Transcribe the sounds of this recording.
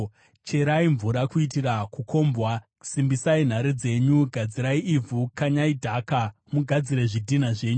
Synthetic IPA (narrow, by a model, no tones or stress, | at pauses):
t͡ʃe̞ɾaiɱvuɾakuitirakukʰo̞ːmbwa | simbisain̤aɾid͡ze̞ɲuɡʱad͡ziɾaiʔivʱukaɲaidʱaka | muɡʱad͡ziɾe̞ʐidʱin̤aʐe̞ːɲu